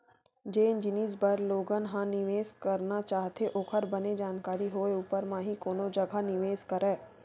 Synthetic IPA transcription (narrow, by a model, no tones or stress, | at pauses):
d͡ʒeːnd͡ʒɪnisbɐɾloːɡənɦãnɪʋeːskəɾnat͡ʃaːɦt̪eʔoːkʰəɾbɐned͡ʒaːnkaːɾiɦoːeuːpəɾmãːɦikoːnõd͡ʒɐɡʱanɪʋeːskəɾɛ̃ː